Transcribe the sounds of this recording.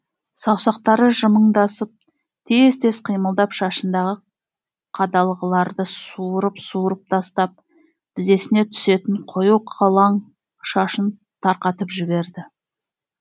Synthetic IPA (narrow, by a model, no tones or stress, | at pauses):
sɑwsɑq̚t̪ɑɾəʒəməɴd̪ɑsəp̚ | t̪ʰezt̪ʰe̞sqʰijməlˠd̪ɑpʃɑʃənd̪ɑʁə | qʰɑd̪ɑlˠəʁəlˠɑɾd̪əsuɾəpsuɾəp̚t̪ʰɑst̪ɑp̚ | t̪ɪze̞sɪne̞t̪ʰʏ̥se̞t̪ɪɴqʰo̞juqʰɑlˠɑɴ | ʃɑʃən | t̪ʰɑɾqɑt̪əpʒɪbe̞ɾd̪ɪ